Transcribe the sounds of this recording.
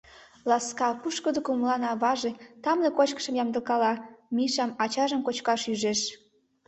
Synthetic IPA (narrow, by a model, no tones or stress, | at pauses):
lɑskɑpuʃkəd̪ə̆kumlɑnɑβɑʒet̪ɑmlekot͡ɕkə̥ʃə̆mjɑmd̪əlkɑlɑmiʃɑmɑt͡ɕɑʒəmkot͡ɕkɑʃyʒeʃ